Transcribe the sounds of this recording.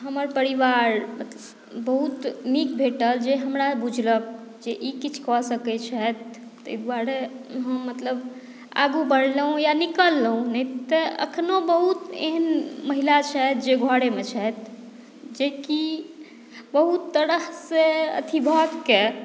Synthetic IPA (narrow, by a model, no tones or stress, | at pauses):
ɦəməɾpəɾiʋaɾmət̪ləb | bəɦut̪mikbʱeʈəld͡ʒeɦəmɾabud͡ʒʱlək̚ | d͡ʒeʔikit͡ʃʰkɔsəkɛt͡ʃʰɛt̪ː | əd̪baɾeɦəmːət̪ləb | a̰ɡubəɽləɦũjanikəlːəɦũnɛt̪əə̰kʰnobəɦut̪ḛɦənməɦilat͡ʃʰɛt̪̚d͡ʒeɡʱɔɽemet͡ʃʰɛt̪̚ʰ | d͡ʒeki | bəɦut̪ːəɾəɦseə̰t̪ʰibʱəɡke